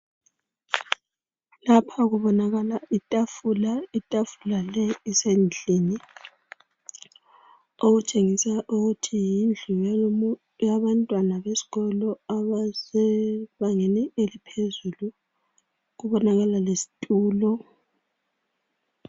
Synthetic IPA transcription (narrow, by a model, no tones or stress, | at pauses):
lapʰaɣuβɔnaɣalaitʼafulaitʼafulalɛisend͡ɮʱini | oɣut͡ʃʼeŋisaʔuɣutʰijind͡ɮʱuj | jaβantʼwanaβesi̥ɣɔlɔaβasɛβaŋeniʔelipʰezulu | ɣuβɔnaɣalalesi̥tʼuːlɔ